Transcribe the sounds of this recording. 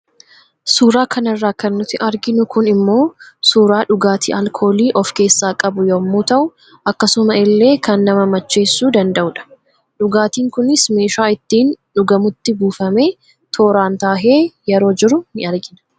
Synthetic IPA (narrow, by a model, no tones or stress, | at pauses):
suːɾaːkʰɐnɐrːaːkɐnːʊt̪ːɪʔɐɾɡɪnʊkʊnɪmːo̞ːsuːɾaːᶑʊɡaːt̪ʰḭːʔɐlkʰo̞ːliːʔɔfke̞ːsːaːkʼɐbʊjomːuːt̪ɐʔʊ | ʔɐkːɐsʊmɐɪlːe̞ːkɐnːɐmɐmɐt͡ʃːe̞ːsːuːd̪ɐnd̪ɐʔʊᶑɐ̥ | ᶑʊɡaːt̪iːŋkʊnɪsme̞ːʃaːɪt̪ːiːnᶑʊɡɐmʊt̪ːɪɡuːfɐme̞ː | t̪ʰo̞ːɾaːnt̪aːɦeːjɛɾo̞ːd͡ʒɪɾʊnɪɐɾɡɪnɐ̥